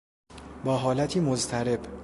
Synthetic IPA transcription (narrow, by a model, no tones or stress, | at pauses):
bɒːɦɒːlæt̪ʰiːmozt̪ʰæɾe̞b